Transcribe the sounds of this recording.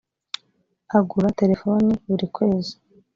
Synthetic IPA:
aɡuɾate̞ɾe̞foniβuɾikwe̞ːzi̥

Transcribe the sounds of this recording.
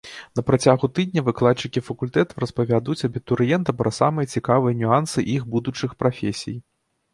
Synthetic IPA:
nɐpɾat͡sʲaɣut̪ɨd̪ʲnʲɐvɨklˠat͡ʂɨkʲifɐkulʲt̪ɛt̪ɐwɾɐspɐvʲad̪ut͡sʲɐbʲit̪uɾjɛnt̪ɐpɾɐsamɨjɐt͡sʲikavɨjɐnʲuansɨʔiɣbud̪ut͡ʂɨxpɾafʲesʲḭj

